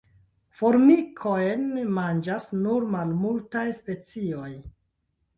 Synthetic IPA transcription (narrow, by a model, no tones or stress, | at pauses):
fo̞ɾmikʰojnmand͡ʒasnuɾmalmultajspe̞t͡sio̞j